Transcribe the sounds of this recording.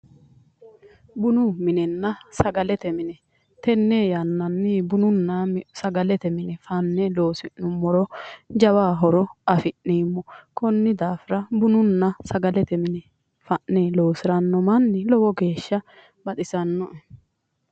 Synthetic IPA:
bʊnʊmɪnɛnːɐsɐɡɐlɛt̪ɛmɪnɛ | t̪ɛnːeːjɐnːɐnːɪbʊnʊnːɐsɐɡɐlɛt̪ɛmɪnɛfɐnːɛlo̞ːsɪnːʊmːɔɾɔd͡ʒɐwaːɦɔɾɔɐfɪnːiːmːɔkɔnːɪd̪aːfɪɾɐbʊnʊnːɐsɐɡɐlɛt̪ɛmɪnɛ | fɐʔːeːlo̞ːsɪɾɐnːɔmɐnːɪlɔwɔɡe̞ːʃːɐ | bɐt̪ʼɪsɐnːɔɛ

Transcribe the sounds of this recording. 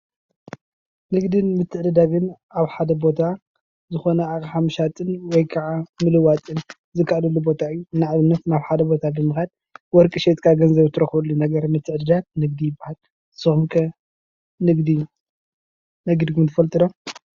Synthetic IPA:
nɨɡd̪ɨnmɨt̪ʰːɨʕd̪ɨd̪aβɨn | aβħad̪ɐbo̞t̪ʰa | zɨxo̞nɐakħamɨʃat̪ʼɨnwɔjkʰaʕamɨlɨwat̪ʼɨn | zɨkʰːaʔlɐlːubo̞t̪ʰaɨjːunaʕβɨnːɐt̪naβħad̪ɐbo̞t̪ʰabɨmɨxad̪ | wɔɾkʼɨʃet̪ʼkʰaɡɐnzɐβt̪ʰɨɾɐxβulːunɐɡɐɾmɨt̪ʰːɨʕd̪ɨd̪at̪̚nɨɡd̪ijɪbːahal | sɨxmkʰɐ | nɨɡd̪i | nɐɡd̪kʰumt̪ʰɨ̥fɐlt̪ʼɨd̪o

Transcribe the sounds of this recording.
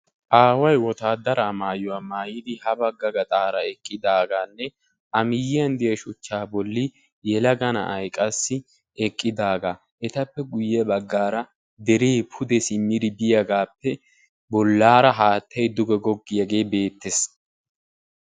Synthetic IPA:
ʔaːwɐjwɔt̪aːd̪ɐɾaːmaːjʊwaːmaːjɪd̪ɪhɐbɐɡːɐɡɐt̪ʼaːɾɐɛkʼːɪd̪aːɡaːnːɛ | ʔɐmɪjɪɐnd̪ɪjɐʃʊt͡ʃːaːbɔlːɪ | jɛlɐɡɐnɐ̰ʔɐjkʼɐsːɪ | ɛkʼːɪd̪aːɡaː | ʔɛt̪ɐpːɛɡʊjːɛbɐɡːaːɾɐ | d̪ɛɾeːpʰʊd̪ɛsɪmːɪd̪ɪbɪjɐɡaːpːɛ | bɔlːaːɾɐɦaːt̪ʰːɐjd̪ʊɡɛɡɔɡːɪjɐɡe̞ːbe̞ːt̪ːes

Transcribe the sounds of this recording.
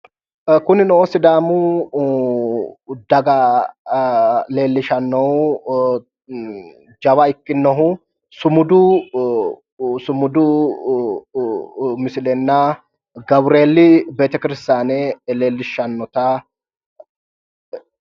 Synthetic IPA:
kʊnɪnɔʔɔsɪd̪aːmʊ | d̪ɐɡɐ | le̞ːlːɪʃɐnːɔw | d͡ʒɐwɐɪkːɪnːɔɦʊ | sʊmʊd̪ʊ | sʊmʊd̪ʊ | mɪsɪlɛnːɐ | ɡɐwɾe̞ːlːɪbe̞ːt̪ɛkɪɾɪst̪aːnɛle̞ːlːɪʃːɐnːɔt̪ɐ

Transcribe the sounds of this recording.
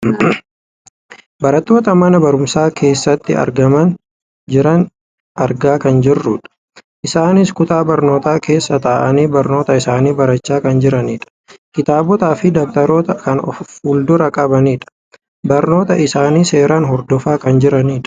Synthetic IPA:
bɐɾɐt̪ːo̞ːt̪ɐmɐnɐbɐɾʊmsaːkʰe̞ːsːɐt̪ːɪɐ̰ɾɡɐmɐn | d͡ʒɪɾɐn | ʔɐɾɡaːkɐnd͡ʒɪrːʊᶑɐ̥ | ʔɪsaːnɪskʊt̪aːbɐɾno̞ːt̪aːke̞ːsːɐt̪aːʔɐniːbɐɾno̞ːt̪ɐɪsaːniːbɐɾɐt͡ʃːaːkɐnd͡ʒɪɾɐniːᶑɐ̥ | kɪt̪aːbɔt̪aːfɪd̪ɐk̚t̪ɐɾoːt̪ɐkɐnɔ̰fuːld̪ʊɾɐkʼɐbɐniːᶑɐ̥ | bɐɾno̞ːt̪ɐʔɪsaːniːse̞ːɾaːnɦɔɾd̪ɔfaːkɐnd͡ʒɪɾɐniːᶑɐ̥

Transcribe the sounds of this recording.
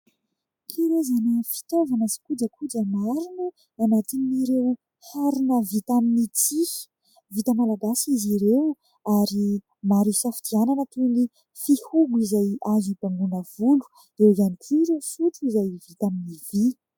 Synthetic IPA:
kʰiɾezanəfi̥t̪ovanəsi̥kud͡ʒəkʰud͡ʒəmaɾinu | anat̪iniɾew | haɾinəvit̪aminit͡si̥ | vit̪əmalaɡasiziɾew | aɾi | maɾisafid̪iananət̪uni | fihuɡuizajazibaŋɡunəv̥ulu̥ | ewizanik̪ʰiɾufut͡suizajvit̪aminivi

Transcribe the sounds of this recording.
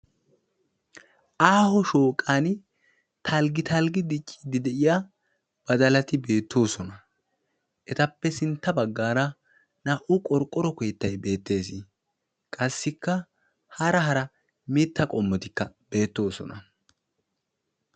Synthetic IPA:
ʔaːhɔʃoːkʼan | t̪ʰɐlɡɪt̪ɐlɡɪd̪ɪt͡ʃʼːid̪ɪd̪ɛʔɪja | b̥ɐd̪ɐlɐt̪ɪbe̞ːt̪ːo̞ːsɔnɐ | ʔɛt̪ɐpːɛsɪnt̪ːɐbɐɡːaːɾɐ | nɐʔʊkʼɔɾkʼːɔɾɔkɔjt̪ːɐjbe̞ːt̪ːe̞ːsɪ | kʼɐsːɪkːɐ | hɐɾɐɦɐɾɐ | mɪt̪ːɐkʼɔmːɔt̪ɪkːɐb̥e̞ːt̪ːo̞ːsɔ̰nɐ

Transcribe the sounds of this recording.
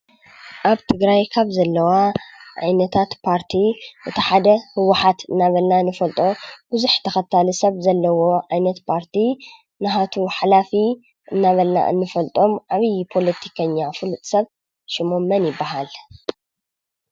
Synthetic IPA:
ʔaβt̪ʰɨɡɾajkʰaβzɐlːɐwaʕa̰jnɐt̪ʰat̪pʰaɾt̪ʰiʔɨt̪ʰɐħad̪ɐhɨwːaħat̪ʰɨnːaβɐlnanːɨfɐlt̪ʼo̞bɨzuħt̪ʰɐxɐt̪ʰːalusɐβzɐlːɐwo̞ʕajnɐt̪pʰaɾt̪ʰi | nɨɦat̪ʰuħalafi | ʔɨnːaβɐlna̰ʔɨ̰nːɨfɐlt̪ʼo̞mʕaβɨjpʰo̞lɐt̪ʰi̥kʰɐɲːafɨlut̪ʼsɐβ | ʃɪmomːɐnjɪbːaɦal

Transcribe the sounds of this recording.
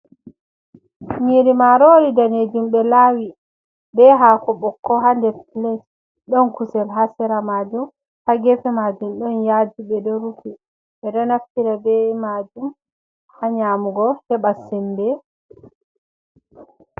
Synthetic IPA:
miɾimaɾoːɾidaned͡ʒumɓɛlaːwi | bɛɦaːkɔbɔkːɔɦandɛfiles | ɗɔnkusɛlɦasɛɾamad͡ʒum | haɡɛfɛmad͡ʒumɗɔnjad͡ʒiɓɛdɔɾukʰi | ɓɛɗɔnaftiɾabɛmad͡ʒum | haɲaːmuɡɔhɛɓasɛmbɛ

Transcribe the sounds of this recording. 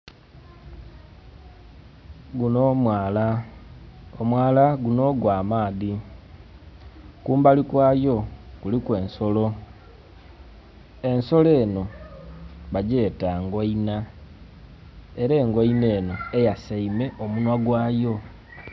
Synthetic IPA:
ɡunomala | omwaːlaɡuno̞ɡwaːmaːði | kuːmbalikwaːjo̞kulikwe̞ːnso̞lo̞ | e̞nso̞le̞ːno̞ | βaɟe̞ːtaŋɡoina | e̞ɾe̞ːŋɡoineːno̞e̞jasaime̞ʔomunwaɡwaːjo̞

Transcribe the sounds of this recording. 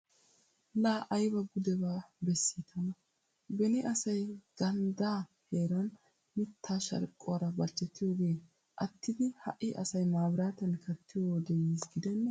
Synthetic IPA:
laːʔɐjbɐɡʊd̪ɛbaːbɛsːit̪ʰɐnɐ | bɛnɪʔɐsɐjɡ̥ɐnd̪aːheːɾɐn | mɪt̪ʰːaːʃɐ̰ɾkʼːʊwɐɾɐbɐt͡ʃːɛt̪ːɪjoɡeː | ʔɐt̪ːɪd̪ɪhɐ̰ʔːɪʔɐsɐjmaːbɾaːt̪ɐnkʰɐt̪ːɪjoːd̪ɛjiːsɡɪd̪ɛnː

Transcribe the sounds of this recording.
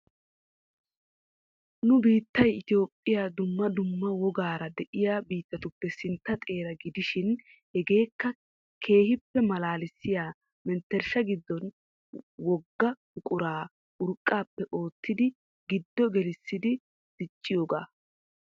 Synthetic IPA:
nʊbiːt̪ːɐjɪt̪ɪjo̞ːpʼːɪjaːd̪ʊmːɐd̪ʊmːɐwɔɡaːɾɐd̪ɛʔɪjaːbiːt̪ːɐt̪ʊpːɛsɪnt̪ːɐt̪ʼe̞ːɾɐɡɪd̪ɪʃɪn | hɛɡe̞ːkːɐ | kʰe̞ːhɪpːɛmɐlaːlɪsːɪjaː | mɛnt̪ːɛɾʃɐɡɪd̪ːɔn | wɔɡːɐ | ʊkʼʊɾaː | ʔʊɾkʼːaːpːɛʔo̞ːt̪ːɪd̪ɪ | ɡɪd̪ːɔɡɛlɪsːɪd̪ɪ | d̪̥ɪt͡ʃʼːɪjo̞ːɡa̰ː

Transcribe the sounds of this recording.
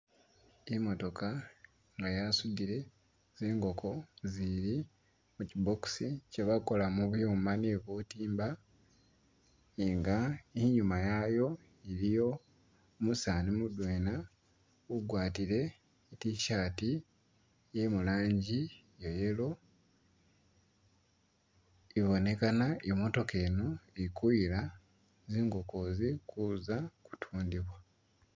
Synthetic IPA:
imo̞to̞kʰa | ŋɡajasudiɾe̞ | z̥eːŋɡo̞kʰo̞ziɾi | muciboku̥siceβako̞lamuβujoːmaneβutiːmba | eŋɡaeɲumajajo̞ | iɾijo̞ | musanimudwe̞ːna | uɡwaːtiɾe̞ | itiʃaːti | jemulaːɲɟi | jo̞je̞lo̞ | iβo̞ne̞kanaʔimo̞to̞ke̞ːnoikuila | ziːŋɡo̞kozikuzaku̥tʰuːndiβwa

